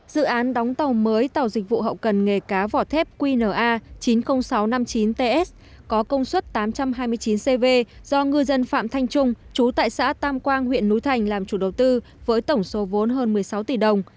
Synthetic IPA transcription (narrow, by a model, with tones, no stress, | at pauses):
z̥ɨ̰˧˨ʔaː˨˦nɗɔ˨˦wŋ͡mt̪ə˨˩wməː˨˦jt̪a˨˩wzï˨˩k̟̚vṵ˧˨ɦə̰˧˨wkə˨˩nŋe˨˩kaː˨˦vɔ˧˩t̪ʰɛ˦˥p̚kwi˧nəː˧˩ʔaː˧t͡ɕi˨˦nxə˧wŋ͡msa˨˦wna˧mt͡ɕi˨˦nt̪e˧ʔɛ˦˥s | kɔ˨˦kə˧wŋ͡mswə˦˥t̚t̪aː˨˦mt͡ɕa˧mɦaː˧jmɨ˧əjt͡ɕi˨˦nse˧ve˧z̥ɔ˧ŋɨ˧əjzə˧nfa̰ː˧˨mt̪ʰa˧jŋ̟t͡ɕʊ˧ŋ͡mt͡ɕu˨˦t̪a̰ː˧˨jsa̰ː˧˥t̪aː˧mkwaː˧ŋɦwḭ˧˨ənːu˨˦jt̪ʰa˨˩jŋ̟laː˨˩mt͡ɕu˧˩ɗə˨˩wt̪ɨ˧ | vəː˨˦jt̪ə˧˩wŋ͡mso˨˦vo˨˦nɦəː˧nmɨ˨˩əjsa˨˦wt̪i˧˨˩ɗə˨˩wŋ͡m